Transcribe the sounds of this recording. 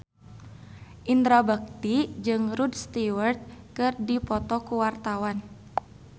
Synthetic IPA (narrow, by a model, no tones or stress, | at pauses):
ʔind̪ɾabak̚t̪id͡ʒɨŋɾudst̪iwərt̪̚kɨrdipɔt̪ɔkuwart̪awan